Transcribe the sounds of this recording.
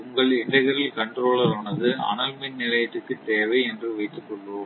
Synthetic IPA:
ʊŋɡɐɭɪɳɖɐɪɣɐɾɪlkɐɳɖɾoːɭɐɾaːnɐðɯɐ̰ɳɐlmɪnnɪlɐjɐt̪ːɯkːɯt̪ːeːʋɐɪɛndrɯʋɐɪt̪ːɯkːɔɭːuːm

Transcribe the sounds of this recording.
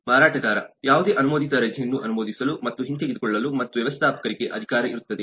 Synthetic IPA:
maːɾaːʈɐdaːɾɐjaːʋud̪e̞ːʔɐnumoːd̪it̪ɐɾɐd͡ʒʱjɐnːuʔɐnumoːd̪isɐlumɐt̪ːuɦint̪eɡid̪ukɔɭːɐlumɐt̪ːuʋjɛʋɐst̪ʰaːpɐ̥kɐɾiɡe̞ʔɐd̪ʱikaːɾɐḭɾut̪ːɐd̪e

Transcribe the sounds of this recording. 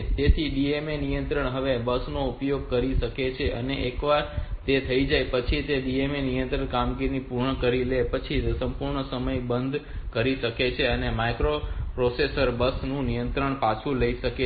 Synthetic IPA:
t̪et̪ʰiɖiemenijənt̪ɾəɳ̃ɦəʋebəsnoupjoɡ̚kəɾiʃəket͡ʃʰeʔə̰neʔekʋaɾt̪et̪ʰəid͡ʒajpət͡ʃʰit̪eɖiemenijə̃nt̪ɾəɳkamɡiɾinipuɾɳəkəɾilepət͡ʃʰisəmpuɾɳəsəməjbənd̪ʱkəɾiʃəket͡ʃʰeənemajkɾopɾosesəɾbəsnũnijə̃nt̪ɾəɳpat͡ʃʰũləiʃəke

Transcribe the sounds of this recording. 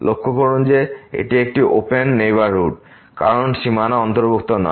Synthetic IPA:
lokʰːokʰoɾond͡ʑeḛʈiek̚ʈiʔopenːejbaɾɦuʈ | ka̰ɾonʃimanaɔnt̪oɾbuk̚t̪onɔ̰

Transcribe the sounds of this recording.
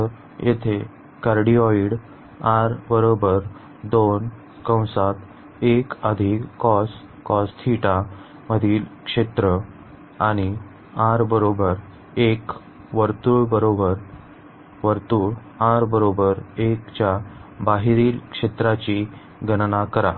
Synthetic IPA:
jʔḛt̪ʰe | kaɾɖiɔiɽ | aɾbəɾobəɾ | d̪on | kə̃w̃sat̪ | ekəd̪ʱikːɔs | kɔst̪ʰiʈa | məd̪ʱiːlkʂet̪ɾə | aɽ̃i | aɾbəɾobəɾ | ek | ʋəɾt̪uɭbəɾobəɾ | ʋəɾt̪uːɭ | aɾbəɾobəɾekt͡ɕjabaɦiɾiːlkʂet̪ɾat͡ɕi | ɡənnakəɾa̰

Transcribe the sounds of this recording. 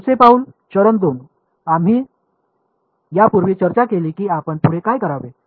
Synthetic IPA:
sepauːn | t͡ɕəɾəmd̪on | am̤iː | japuɾʋiːt͡ɕəɾt͡ɕakeliːkiːapəɳt̪uɽekajkəɾaʋe

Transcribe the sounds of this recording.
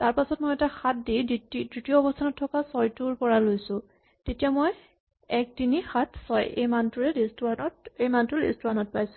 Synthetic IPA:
taɹpasɔt̚mojɛtaxat̚dididɹitiɔɔbɔstʰanɔtʰːɔkasɔjtuɹpɔɹalojsʊ̃ | tetijamɔj | ɛk̚tinixatʰsɔjejmantuɹɛɹestɔɹanɔtejmantʊɹḛstɔɹanɔt̚pajsʊ̥

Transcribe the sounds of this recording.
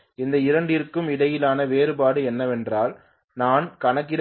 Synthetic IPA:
ɪnd̪ɐɪɾɐɳɖɪrkːɯmɪɽɐjɪlaːnɐʋeːɾɯpaːɽɯɛnːɐʋɛndraːl | naːnkɐnɐk̬ːɪɾ

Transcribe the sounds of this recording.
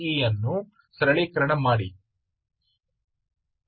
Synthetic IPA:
iːjɐnːu | sɾɐɭiːkɐɾɐɳɐmːaːɽi

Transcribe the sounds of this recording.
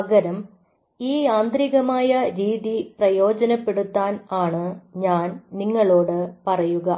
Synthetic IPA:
ɐɡɐɾɐm | iːaːnd̪ɾiɣɐmaːjɐɾiːðiprɐjo̞ːd͡ʑɐnɐpːe̞ɽut̪ːaːnaːɳɨɲaːnniŋːɐɭo̞ːɽɨpɐrɐjuɣɐ

